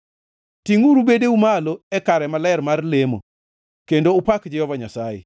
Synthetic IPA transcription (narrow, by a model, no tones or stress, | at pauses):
tiŋuɾubedeumaloɛkaɾɛmalɛrmarlemo̰ | kendoʊpakd͡ʒɪjɔvaɲasajḛ